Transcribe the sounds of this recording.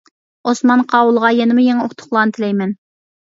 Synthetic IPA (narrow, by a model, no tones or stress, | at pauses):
osmɑnqʰɑːwʊlˠʁɑjɛnɪmʊjeŋoχt̪ʰʊ̥χlˠɑnt̪ʰɪlɛjmɛn